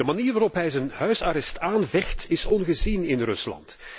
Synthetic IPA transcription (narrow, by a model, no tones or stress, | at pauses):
dəmaniːrʋaːɾɔpɦɛjzənhœɥsaɾɛstaːnvɛxtɪsɔnɣəzinɪnrɵ̰slɑ̰nt